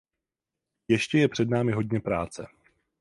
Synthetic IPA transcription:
jɛʃcɛjɛpr̝̥ɛdnaːmɪɦo̞dɲɛpɾaːt͡sɛ

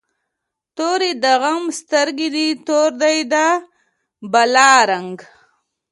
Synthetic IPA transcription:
t̪oːɾid̪aɣamst̪əɾɡid̪it̪oɾd̪ajd̪a | balaːɾaŋɡ

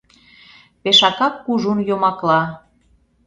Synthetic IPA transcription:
peʃɑkɑkːuʒunjomɑklɑ

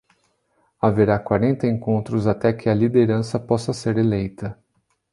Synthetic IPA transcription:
aveɾakwaɾẽnt̪ɐẽŋkõnt̪ɾʊzat̪ɛkʰɪɐlid̪eɾɐ̃sɐpɔsɐseɾelejt̪ɐ

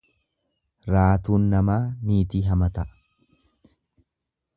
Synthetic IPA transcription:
ɾaːt̪uːnːɐmaːmiːt̪iːɦɐmɐt̪ɐʔ

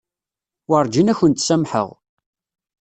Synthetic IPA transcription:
wəɾˤd͡ʒinæçənt̪sæmħə̰ʁ

